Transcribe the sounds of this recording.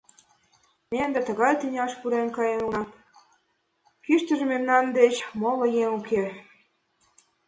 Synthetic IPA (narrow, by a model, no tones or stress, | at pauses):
nend̪et̪ə̆ɣɑjt̪inʲɑʃpuɾenkɑjenunɑt̪ | kyʃt̪ə̆ʒə̆memnɑnd̪et͡ɕmolŏjeŋukʰe